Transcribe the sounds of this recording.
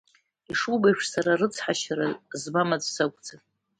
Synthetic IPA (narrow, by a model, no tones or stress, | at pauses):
iʂubajʂʂsaɾarɨt͡sʰħaʃaɾazmamad͡zsakʷʼd͡zanʼ